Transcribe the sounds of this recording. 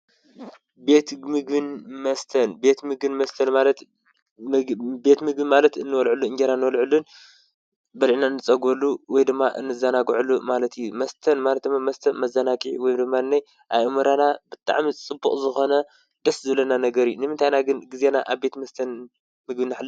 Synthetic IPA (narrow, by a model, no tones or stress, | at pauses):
be̞t̪mɨɡbɨnmɐst̪ʰɐnbe̞t̪mɨɡbɨnmɐst̪ʰɐnmalɐt̪ | be̞t̪mɨɡbɨnmalɐt̪ɨnːɨwɔlʕulːuɨnd͡ʒeɾanːɨwɔlʕulːun | bɐlʕinaɨnːɨt͡sʼɐɡolːuwɔjd̪ɨmːaʔɨ̰nːɨzɐnaɡʕulːumalɐt̪ijumɐst̪ʰɐnmalɐt̪̚d̪ɨmːamɐst̪ʰɐnmɐzɐnakʼiʕiwɔjd̪ɨmːaɨnːaj | ʔa̰βʔɨmɐɾanabɨt̪ʼa̰ʕmit͡sʼɨbːuχʼzɨxo̞nɐ | d̪̥ɐszɨβlɐnanɐɡɐɾinɨmɨnt̪ʰajnaɡɨnɡɨze̞naʔaβbe̞t̪mɐst̪ʰɐn | mɨɡbɨnːɨħlː